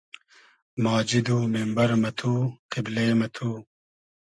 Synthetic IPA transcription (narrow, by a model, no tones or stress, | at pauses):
maːd͡ʑid̪umembɐɾmɐt̪ʰuːqiblemɐt̪ʰuː